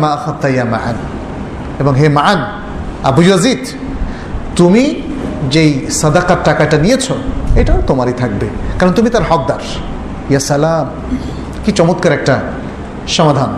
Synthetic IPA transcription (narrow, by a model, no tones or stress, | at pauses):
maaxad̪t̪ajama̰ʕa̰n | eboŋɦemaʕan | a̰bujazid̪ | t̪umid͡ʑejsad̪aqaʈːakaʈanijet͡ɕʰoejʈaot̪omaɾit̪ʰak̚bekaɾont̪umit̪aɾɦɔk̚d̪aɾ | jasalam | kit͡ɕɔmot̪̚kaɾɛk̚ʈa | ʃɔmad̪ʱan